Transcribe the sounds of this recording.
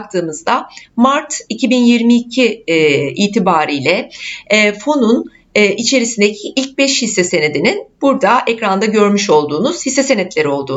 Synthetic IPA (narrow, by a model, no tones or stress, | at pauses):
k̚t̪ʰɯːmɯzd̪amaɾt̪ʰicʰibinjiɾmiːcʰi | iːt̪ʰibaːɾijlʲɛ | fo̞nunː | ʔit͡ʃʰe̞ɾisind̪ecʰiʔilʲc̚bɛʃhisːese̞ned̪ininb̥uɾd̪aʔɛcɾand̪aɟø̞ɾmyʃo̞lˠd̪uːnuz̥hisːese̞nɛt̪lʲe̞ɾio̞lˠd̪uː